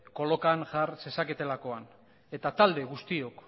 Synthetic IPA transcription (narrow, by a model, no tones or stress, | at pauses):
ko̞lo̞kanʝaɾse̞sake̞t̪e̞lako̞an | e̞t̪at̪ald̪e̞ɣust̪io̞k